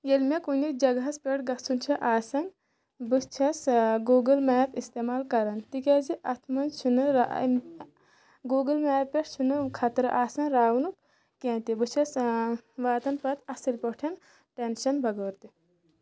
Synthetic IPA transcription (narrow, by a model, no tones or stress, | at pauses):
jelmekunikd͡ʒɐɡɦɐspʲeʈɡɐsunt͡ʃʰɐʔaːsɐŋɡ | bɨt͡ʃʰɐsɡoːɡɨlmɛːpist̪eːmaːlkɐɾɐnt̪ikʲaziʔɐt̪ʰmɐnt͡ʃʰunɨɾa | ɡoːɡɨlmɛːppeʈt͡ʃʰunɨkʰɐt̪ɾɨʔaːsɐŋɾaːwnuk̚ | kẽːt̪ibɨt͡ʃʰɐsʋaːt̪ɐnpɐt̪ɐsilpɔʈʰɐn | ʈenʃɐnbʱɐɡoːɾt̪i